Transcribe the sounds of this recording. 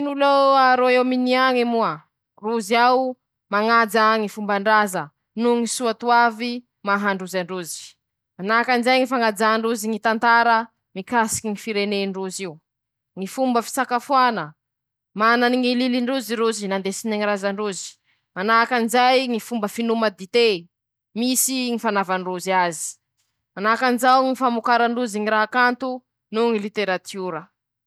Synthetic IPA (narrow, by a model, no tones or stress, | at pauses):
inuloaɾoeminiaŋimuə | ruziaw | maŋad͡zaŋifumbaɳɖ͡ʐazə | nuŋisuat̪uavi | maɦaɳɖ͡ʐuzaɳɖ͡ʐuzi̥ | manakanizajŋifaŋad͡zaɳɖ͡ʐuziŋit̪ant̪aɾə | mikasi̥kiŋifiɾeneɳɖ͡ʐuziu | ŋifumbəfi̥sakafuanə | mananiŋililiɳɖ͡ʐuziɾuzinand̪esiniŋiɾazaɳɖ͡ʐuzi̥ | manakanzajŋifumbəfinuməd̪it̪e | misiŋifanavaɳɖ͡ʐuziazi̥ | manakanzawŋifamukaɾaɳɖ͡ʐuziŋiɾaɦakant̪u | nuŋilit̪eɾat̪ʰjuɾə